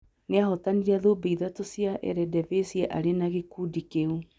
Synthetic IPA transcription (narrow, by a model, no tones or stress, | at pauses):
neahɔtaniɾaðobeiðatosjaʔɛ̰ɾɛdɛvesjɛʔaɾenaɣekudikeu